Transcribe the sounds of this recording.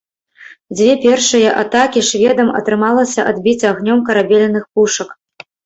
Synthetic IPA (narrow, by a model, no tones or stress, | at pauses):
d͡zʲvʲɛpʲɛrʂɨjɐʔat̪akʲiʂvʲɛd̪ɐmɐ̰t̪ɾɨmalˠɐsʲɐʔad̪bʲit͡sʲaɣnʲɔmkɐɾabʲɛlʲɐnɨxpuʂɐk